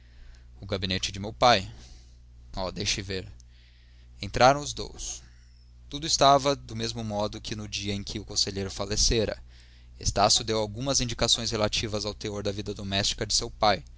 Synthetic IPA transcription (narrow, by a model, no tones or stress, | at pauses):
ʊɡabinet͡ʃɪd͡ʒɪmewpaj | ɔd̪ejʃɪveɾ | ẽnt̪ɾʔaɾɐ̃w̃ʊzd̪o̰ws | t̪ud̪ʊɪst̪avɐd̪ʊmezmʊmɔd̪ʊkʰɪnʊd͡ʒiɐẽj̃kʰɪʊkõseʎejɾʊfaleseɾɐ̰ | ḛst̪asjʊd̪ewawɡũmɐzĩd͡ʒikasõj̃s̬helat͡ʃivɐzawt̪eoɾd̪ɐvid̪ɐd̪omɛst͡ʃi̥kɐd͡ʒɪsewpaj